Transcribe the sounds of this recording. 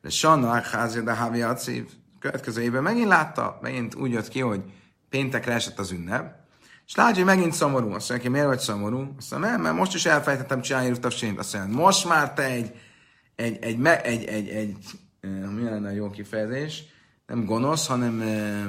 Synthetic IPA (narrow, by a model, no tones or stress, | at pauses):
d̪ɛ̰ʃɒnakχaːzid̪ɛɦaviɒt̪sḭːv | køvɛt̪kɛzøːebøːmɛɡint̪laːt̪ːɒ̰mɛ̰ɡint̪ṵːɟjøt̪kiɦo̞ɟ | peːnt̪ɛkɾɛɛʃɛt̪ːɒzynːɛb | eʃlaːt̪ːoɟʲmɛɡint̪so̞mo̞ɾuːɒ̰soɲːɛkemeːɾvɒcso̞mo̞ɾuːɒsoɛ̰mɛma̰ːɾmo̞ʃt̪iʃɛlfɛlɛjt̪ɛt̪ːɛmt͡ʃinaːniɾuft̪ɒt͡ʃint̪ɒ̰soɲanmo̞ʃt̪maːrt̪ɛɛɟ | ɛɟɛɟmɛʔɛɟɛɟɛɟ | miɛlɛnːɛjoːkifɛjɛzeːʃ | nɛ̰mɡo̞no̞shɒnɛmø